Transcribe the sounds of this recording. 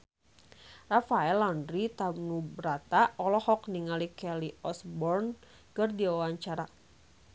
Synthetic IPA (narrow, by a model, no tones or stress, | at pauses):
rafaɛlɔndɾit̪amnubəɾat̪aɔlɔhɔkniŋalikɛliɔsbɔrn | kərdiwawaɲt͡ʃaɾa